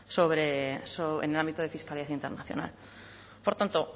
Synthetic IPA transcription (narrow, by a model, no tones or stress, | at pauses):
soβɾesoβḛnelambit̪oð̞e̞fiskaliaθaint̪e̞ɾna̰θjo̰na̰l | po̞ɾt̪ant̪o